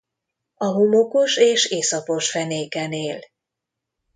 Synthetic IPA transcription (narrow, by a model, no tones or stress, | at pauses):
ɒɦomokoʃeːʃeːsɒpo̞ʃfɛneːkɛneːl